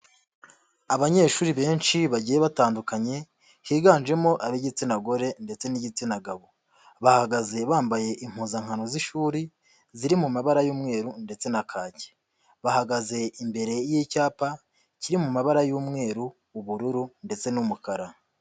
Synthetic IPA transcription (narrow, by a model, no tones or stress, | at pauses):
aβaɲe̞ːʃuːɾiβe̞ːnʃiβaɟiːjeβataːndukaɲe̞ | hiːɡaːnʒe̞mo̞ʔaβiɟit͡sinaɡo̞ɾe̞nde̞t͡se̞niɟit͡sinaɡaβo | βahaɡaze̞βaːmbaje̞ʔim̥huːzaŋhano̞ziʃuːɾi | ziɾimumaβaɾajuːmŋe̞ːɾunde̞t͡se̞nakʰaːce̥ | βahaɡaze̞imbe̞ɾe̞jiːcaːpa | ciɾimumaβaɾajuːmŋe̞ːɾuː | βuɾuɾunde̞t͡se̞numukaɾa